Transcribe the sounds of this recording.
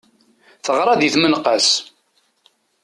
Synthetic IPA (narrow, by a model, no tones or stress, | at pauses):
θəʁɾˤɑðiθmənqːəs